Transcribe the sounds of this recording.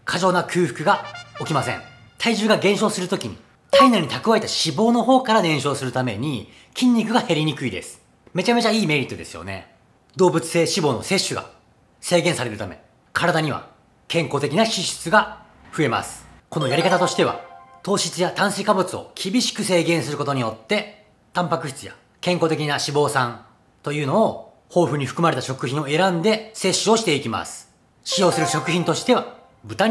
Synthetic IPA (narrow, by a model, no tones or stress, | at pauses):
kʰaʑo̞ːnakʰɨ̟ːɸɯ̟̥kɯ̟ɡao̞kʲimasẽ̞̰ŋ | t̪ʰaiʑɨːɡaɡẽ̞ɕo̞ːsɨɾɯ̟t̪o̞kʲiɲ̟ḭ | t̪aineɾ̟ɲ̟it̪akɯ̟βaet̪aɕibo̞ːno̞ɦo̞ːkaɾad̪ẽ̞ɰ̃ɕo̞ːsɨɾɯ̟t̪ame̞̰ɲ̟i | kʲĩɲ̟ːikɯ̟ɡahe̞ɾʲiɲ̟ikɯ̟id̪e̞̰sɨ̥ | me̞t͡ɕame̞t͡ɕaiːme̞ːɾʲit̪ːo̞d̪e̞̰sɨjo̞̰ne̞̰ | d̪o̞ːbɯ̟t͡sɨ̥se̞ːɕibo̞ːno̰se̞ɕːɨɡa̰ | se̞ːɡẽɰ̃saɾe̞ɾɯ̟t̪ame̞̰ | kʰaɾad̪aɲ̟iβa̰ | kẽ̞ŋko̞ːt̪e̞kʲinaɕiɕɨ̥t͡sɨɡa | ɸɯ̟e̞ma̰sɨ̥ko̞no̞jaɾʲikat̪at̪o̞ɕi̥t̪e̞β̞a̰t̪o̞ːɕit͡sɨjat̪ãɰ̃sekabɯ̟t͡sɨo̞̰kʲʰibʲiɕi̥kɯ̟se̞ːɡẽɰ̃sɨɾɯ̟ko̞t̪o̞ɲ̟ijo̞t̪ːe̞ | t̪ãmpakɯ̟ɕi̥t͡sɨja̰ | kẽ̞ŋko̞t̪e̞k̬ʲinaɕibo̞ːsãn | t̪o̞jɯ̟ːno̞o | ho̞ːɸɯ̟ɲ̟iɸɯ̟̥kɯmaɾe̞t̪aɕo̞kɯ̟çĩoe̞ɾãnd̪e̞se̞ɕːɨo̞ɕi̥t̪e̞ikʲima̰sɨ̥ | ɕijo̞ːsɨɾɯ̟ɕo̞kɯ̟çʲĩnt̪o̞ɕi̥t̪e̞βa | bɯ̟t̪a